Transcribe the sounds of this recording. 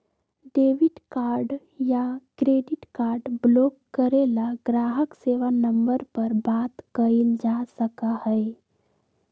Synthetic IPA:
ɖeʋɪʈkaːɾɖ | jakɾeːɖɪʈkaːɾɖblokːəɾelaɡɾaɦəkseʋanəmbəɾpəɾbat̪kəɪld͡ʒasəkahɛe

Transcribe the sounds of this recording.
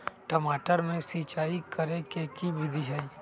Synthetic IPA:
ʈəmaːʈəɾmẽsiːt͡ʃaːikəɾẽkekibɪd̪ʱiɦai

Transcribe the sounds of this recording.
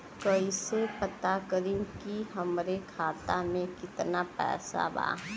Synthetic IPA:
kəisepət̪akəɾĩkiɦəmɾekʰaːt̪amẽkɪt̪napɛ̰ːsa̰ba̰ː

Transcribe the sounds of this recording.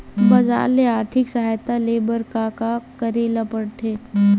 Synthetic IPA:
bɐza̰ːɾleaːɾt̪ʰɪksəɦaːjt̪aleːbəɾkakakəɾeːlapəɽt̪ʰeː

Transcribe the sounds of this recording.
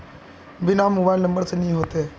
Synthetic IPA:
bɪnamoːbaːɪlnɐ̃mbəɾsenĩːɦoːt̪e

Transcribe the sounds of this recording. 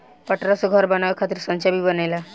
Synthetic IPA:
pəʈɾasoɡʱɔɾbənaʋakʰat̪iɾsənt͡ʃabibənajla

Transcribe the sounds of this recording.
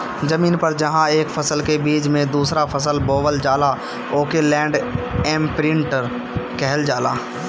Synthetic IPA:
zəmiːnpɐɾd͡ʒɐɦãeːkfʰɐsəlkebiːd͡ʒmẽd̪uːsɾafʰəsəlboːʋəld͡ʒaːla | oːkelɛ̃ːɳɖɛːmpɾɪ̃ɳʈəɾ | kɛɦld͡ʒaːlaː

